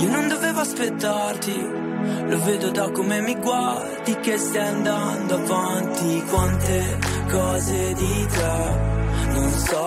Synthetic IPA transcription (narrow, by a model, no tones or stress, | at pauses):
iːonond̪oveːvoaspet̪ːart̪i | loveːd̪od̪akːomemːiɡward̪ik̟est̪ajand̪and̪oavant̪ikwant̪e | kɔːzed̪it̪ɾa | nonsɔ